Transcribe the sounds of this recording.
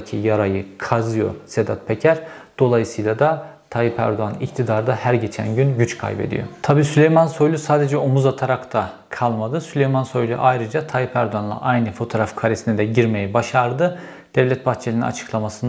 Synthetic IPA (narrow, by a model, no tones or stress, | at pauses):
cʰijaɾajɯkʰazɯjo̞̰sed̪a̰t̪̚pʰecʰæɾd̪̥o̞lˠajɯsɯjlˠad̪a | t̪ʰajipʰæ̰ɾd̪oanḭct̪ʰid̪aɾd̪ahæɾɟe̞t͡ʃʰæ̰nɟynɟyt͡ʃkʰa̰jbe̞̰d̪ḭjo̰t̪ʰabiːsylʲe̞jmanso̞jlʲˠysaːd̪e̞d͡ʒɛomuzat̪ʰaɾakt̪ʰa | kʰalˠmad̪ɯsylʲe̞jmanso̞jlʲˠy̰ʔajɾɯd͡ʒat̪ʰajipʰæɾd̪oanlˠa̰ʔajnɯfo̞t̪ʰoɾafkʰaɾesinɛd̪ɛɟiɾme̞jɛbaʃaɾd̪ɯ | d̪̥ɛvlʲɛt̪̚bʰaɾt̪t͡ʃʰlʲinina̰t͡ʃʰɯ̥kʰlˠamasɯn